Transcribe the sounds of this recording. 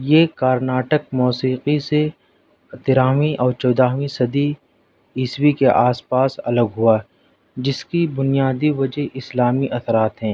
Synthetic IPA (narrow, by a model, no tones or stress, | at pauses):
jeːkaːɾnaːʈək̚mɔːsiːqise | t̪ɪɾaːmiʔɔːɾt͡ʃɔːd̪aːɦʋisɐd̪i | iːswikeʔaːspaːsɐləɡɦua | d͡ʒɪskibʊnijaːd̪iʋɐd͡ʒeɦʔɪslaːmiʔɐt̪ʰɾaːt̪ɦɛ̃ː